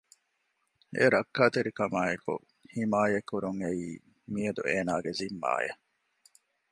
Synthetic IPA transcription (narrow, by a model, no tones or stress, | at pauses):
ʔeɾɐkːaːt̪eɾikɐmaːekṵ | himaːjɐkːuɾuŋeiː | miɐd̪ṵʔeːnaːɡezimːa̰ːjɐ̰